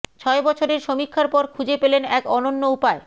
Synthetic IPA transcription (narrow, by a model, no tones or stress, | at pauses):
t͡ɕʰɔebɔt͡ɕʰoɾeɾʃomikʰːaɾpɔɾkʰud͡ʑepelenɛkɔnonːoupae